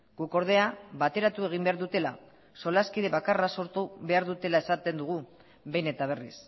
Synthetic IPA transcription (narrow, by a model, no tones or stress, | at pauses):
ɡ̥uko̞ɾð̞e̞aβat̪e̞ɾat̪ue̞ɣ̞imbe̞aɾðut̪e̞la̰ | so̞laskiðe̞βakaraso̞ɾt̪uβe̞aɾðut̪e̞lae̞sat̪e̞nd̪uɣ̞u | βe̞jne̞t̪aβ̞e̞rḭs